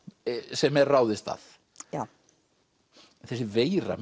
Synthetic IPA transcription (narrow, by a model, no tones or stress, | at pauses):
sɛmɛɾraːwðɪst̪θa̰θ | ja | θɛsːɪveːjɾa̰m